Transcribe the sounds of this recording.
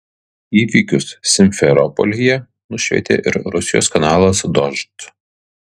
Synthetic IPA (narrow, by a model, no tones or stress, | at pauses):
iːʋʲiːkʲʊsːʲɪmʲfʲɛɾɔpɔ̰lʲɪjɛ | nʊʃʲʋʲɛ̰t̪ʲḛːʔɪɾɾʊsʲɪjo̰skɐnɑːlˠɐsd̪ɔʒt̪